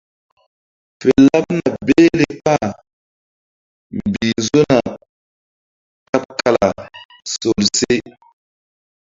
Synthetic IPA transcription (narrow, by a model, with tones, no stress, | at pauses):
fe˨la˦p̚na˨be˦le˨pa˦˨ | m˨bi˨zo˦na˨ | ta˦p̚ka˨la˨ | so˨lse˦